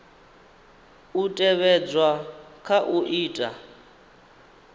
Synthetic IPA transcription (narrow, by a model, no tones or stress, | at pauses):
utʼɛβɛd͡zwakʰaʔuʔiːtʼa